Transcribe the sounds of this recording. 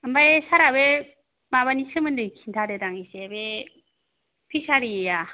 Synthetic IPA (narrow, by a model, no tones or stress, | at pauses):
ambajsaɾabe | maβanisɯmɯndɯkʰintʰaɾedaŋisebe | pʰisaɾija